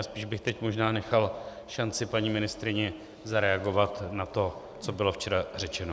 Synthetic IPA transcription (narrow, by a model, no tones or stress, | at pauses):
aspiːʒbɪxt̪ɛcmo̞ʒnaːnɛxal | ʃant͡sɪpaɲiːmɪnɪst̪ɾɪɲɛ | zaɾɛaɡo̞vat̪nat̪o̞ | t͡so̞bɪlo̞ft͡ʃɛɾar̝ɛt͡ʃɛno